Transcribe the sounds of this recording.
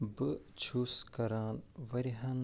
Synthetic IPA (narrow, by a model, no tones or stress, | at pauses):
bɨ | t͡ʃʰuskɐɾaːnʋɐɾiɦɐn